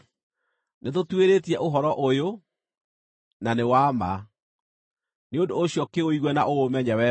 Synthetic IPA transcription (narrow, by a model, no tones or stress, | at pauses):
neðotweɾetiɛʔoɦɔɾɔʔojo | nanewama | neondoːɕjɔkeoiɣwɛnaʔoomɛɲɛwɛ